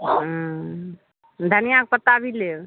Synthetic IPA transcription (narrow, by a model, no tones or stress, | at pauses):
d̪ʱənijak̚pət̪abile